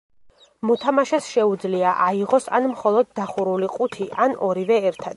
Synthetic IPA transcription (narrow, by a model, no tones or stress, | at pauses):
mɔt̪ʰamaʃasʃɛud̪zliaʔaiʁɔsa̰nmχɔlˠɔd̪̚ːaχuɾuliqʼut̪ʰiʔanɔɾivɛɛɾt̪ʰad̪̥